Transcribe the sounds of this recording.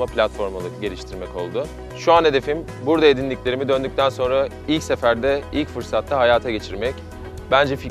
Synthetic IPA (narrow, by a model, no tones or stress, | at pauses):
aplʲat̪fo̞ɾmalˠɯɟe̞lʲiʃt̪ʰiɾmɛco̞̰lˠd̪ʊ | ʃuanɦe̞d̪e̞fim | buɾd̪ae̞d̪inʲiclʲe̞ɾimid̪ø̞nd̪yc̚ʲt̪ʰænso̞nɾa | ilʲcse̞fæɾd̪ɛilʲcfɯɾsat̪ʰːaɦajaːt̪ʰaɟe̞t͡ʃʰiɾmɛc | b̥ænd͡ʒɛfi